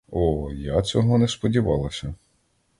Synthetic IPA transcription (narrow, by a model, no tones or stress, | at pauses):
ɔjat͡sʲɔɦɔnɛspɔdʲiʋɑ̰lˠɐsʲɐ